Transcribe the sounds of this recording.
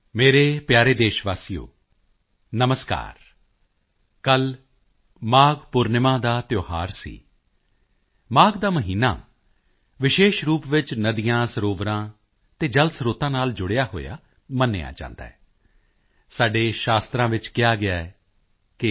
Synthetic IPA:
meːɾeːpjaːɾeːd̪eːʃʋaːsijo̰ː | nəməska̰ːɾ | kəl | maːɡpʊɾnɪmãːd̪aːt̪joːhaːɾsḭː | maːɡd̪aːməɦiːna̰ː | ʋɪʃeːʃɾuːpʋɪt͡ʃnəd̪ijãːsəɾoːʋɾãː | t̪eːd͡ʒəlsəɾoːt̪ãːnaːld͡ʒʊɽejaːɦo̰ːja̰ː | mənːḛːa̰ːd͡ʒã̰ːnd̪a̰ːɛː | saːɖeːʃaːst̪ɾãːʋɪt͡ʃkɪjaːɡɪaːɛ | kɪ

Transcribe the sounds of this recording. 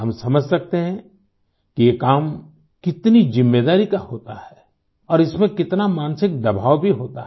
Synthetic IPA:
ɦɐmsɐməd͡ʒʱsɐk̚t̪eɦɛ̃ | kijekaːm | kɪt̪nid͡ʒɪ̃mːed̪aːɾikahoːt̪ahɛ | ɔːɾɪsmẽkɪt̪namaːnsɪk̚d̪ɐbʱaːʋbʱiɦoːt̪a

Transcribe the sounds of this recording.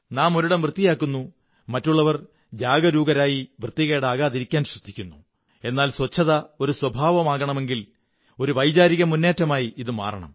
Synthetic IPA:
naːmo̞ɾuɽɐmʋrɨt̪ːijaːkːunːu | mɐtːuɭːɐʋɐr | d͡ʑaːɡɐɾuːɡɐɾaːjiʋrɨt̪ːiɣeːɽaːɣaːðiɾikʲːaːnɕrɐd̪ʱːikʲːunːu | e̞nːaːlswɐt͡ɕʰːɐðɐo̞ɾuswɐbʱaːʋɐmaːɣɐɳɐme̞ŋɡil | o̞ɾuʋɐjd͡ʑaːɾiɣɐmunːe̞ːtːɐmaːjiiðɨma̰ːrɐɳɐ̰m

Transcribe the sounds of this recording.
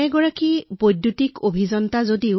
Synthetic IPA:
ɛɡɔɹakibojdjutikʰobʱizɔntazodiʊ

